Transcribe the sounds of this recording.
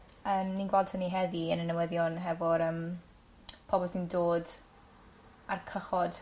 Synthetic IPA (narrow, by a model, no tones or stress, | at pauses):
əːmninɡwɛlˠdtʰəniɦɛðiənənəwəðjɔnɦɛvɔɾəːm | pʰɔbɔlˠsindoːd | arkʰəχɔd̥